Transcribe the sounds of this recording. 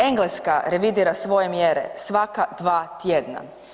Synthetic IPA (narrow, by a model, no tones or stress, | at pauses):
e̞ŋɡleskaɾe̞ʋid̪iːɾasʋo̞je̞mjeɾḛsʋakad̪̥ʋaːt̪jed̪na̰